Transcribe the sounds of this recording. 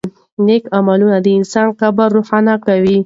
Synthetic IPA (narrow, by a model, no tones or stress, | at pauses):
nekamalunad̪əɪnsɑnqabaɾːoxɑnakawi